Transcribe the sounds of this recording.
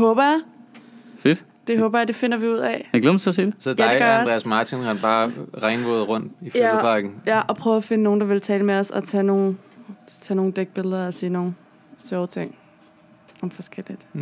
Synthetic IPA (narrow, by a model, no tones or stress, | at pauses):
d̥eɦɔːb̥ɐja | fed̥ | d̥e̝hɔ̽ːb̥ɐjɑ̈d̥e̝fe̝nɐʋiuð̞̰ˠɛjaɡ̥lḛmsʰes̬ḭːd̥esɒd̥ædɪ̥eɡɶ̥ʁeɐsmɑ̈ːt͡sʰinhɑnb̥ɑ̈ːʁɑ̈ɪnʋo̰ðˠʁɔ̽n̰d̥ifæpʰɑ̈ɡ̥n̩jæʔɒ̽pʰʁœːʊfe̝nəno̝ːn̩d̥ɑ̈ʋe̝lt͡sʰɛːləmeɒsɒ̽t͡sʰɛno̝ːn̩ | t͡sʰɛno̝ːn̩d̥eɡ̥̚b̥e̝ləðˠɐɒsiːno̝ːn̩ | sɒʊt͡sʰeŋ̰ | ɒ̽mfɒ̽sɡ̥el̰id̥